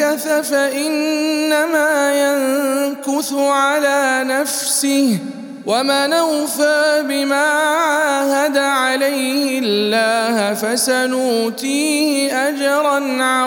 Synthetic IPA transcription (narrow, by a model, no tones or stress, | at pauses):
aθafaʔɪnːamaːjaŋkʊθʊʕalaːnaf | sɪh | wamanawfaːbɪmaːʕʕaːhad̪aʕalajhɪllːaːhfasanʊt̪iːhɪʔad͡ʒɑɾˤɑnʕa